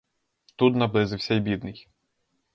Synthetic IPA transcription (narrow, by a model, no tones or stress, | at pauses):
t̪ut̪nɐblˠɪzɪwsʲɛjbʲid̪nɪj